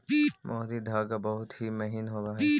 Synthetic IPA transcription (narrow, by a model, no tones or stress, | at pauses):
mʔɔːd̪id̪ʱaːɡabɐɦʊt̪ɦimɐɦinɦoːɡaːɦ